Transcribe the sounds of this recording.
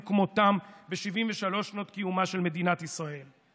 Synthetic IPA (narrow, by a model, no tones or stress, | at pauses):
kmotambeʃivimveʃalo̞ʃnot̪kijumaʃe̞lme̞d̪inat̪isʁae̞l